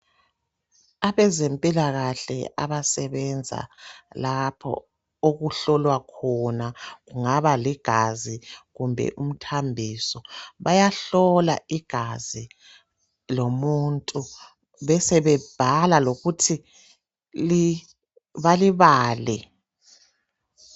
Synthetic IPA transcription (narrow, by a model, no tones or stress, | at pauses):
aβɛzempʼilaɣaɬɛ̰a̰βasɛβɛnd͡zʱa̰lapʰɔ̰ | oɣuɬɔlwakʰɔnaɣuŋaβaliɡ̥ʱaziɣumbʱɛ̰ʔum̩tʰambʱisɔβajaɬɔla̰iɡ̥ʱazi | lomuntʼu | βɛsɛβɛb̥ʱalaloɣutʰi | li | βaliβaːlɛ